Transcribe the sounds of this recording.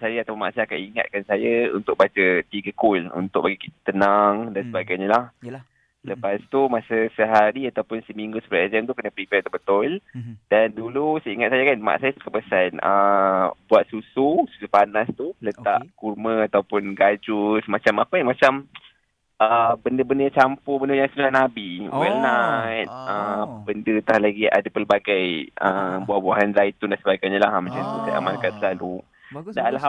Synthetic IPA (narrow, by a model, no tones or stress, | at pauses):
sajaat̪awpʊnma̰ʔsaakaʔiŋa̰t̪̚kansajaṵnt̪ʊk̚bat͡ʃət̪iɡəkulṵnt̪ʊk̚baɡikit̪ḁt̪ənaŋdansəbaɡajɲalah | ləpast̪umasəsəɦaɾiat̪awpʊnsəmiŋɡusə̥pəɾaezɛmt̪ukənəpɾipɛɾt̪ubət̪ʊld̥andulusəiŋat̪̚sajakanma̰ʔsajat̪u̥kəpəsanə̰buat̪̚sususu̥supanast̪ulət̪a̰ʔkurmə̃at̪awpʊnɡad͡ʒusmat͡ʃamapamãt͡ʃam | ʔəbəndəbəndəjãt͡ʃampʊbəndəjaŋsunahnabiwɛlnajt̪̚əbəndət̪ahlaɡia̰dəpərbaɡajəbuaʔbuaɦanzait̪undaʔsəbaikaɲalaɦmat͡ʃamt̪usaja̰mãnkansəlalu | dala